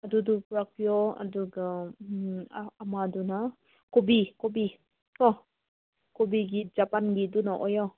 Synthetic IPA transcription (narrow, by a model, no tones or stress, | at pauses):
adudupɾak̚ijɔa̰duɡa | maduna | kobikobi | kɔ | kobiɡid͡ʒapanɡidunaʔɔjɔ